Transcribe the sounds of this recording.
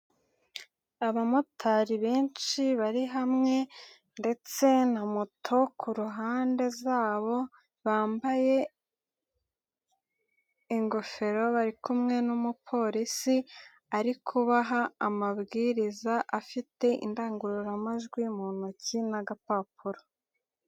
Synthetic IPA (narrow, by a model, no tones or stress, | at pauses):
aβamotʰaɾiβeːnt͡ʃiβaɾiɦamŋe̞ | nde̞t͡se̞namutʰo̞kʰuɾuɦaːnde̞zaːβo̞ | βaːmbaje̞ | ŋɡo̞fe̞ɾo̞βaɾikumŋe̞numupʰo̞ɾisi | aɾikʰuβaɦaːmaβɡiːɾizaʔafite̞ḭndaːŋɡuɾuɾamaʒɡwimunucinaɡapapuɾo